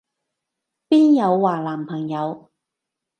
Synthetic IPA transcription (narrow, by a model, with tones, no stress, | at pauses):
piː˥njɐ˨˧wːaː˨˩laː˨˩mpʰɐ˨˩ŋjɐ˨˧w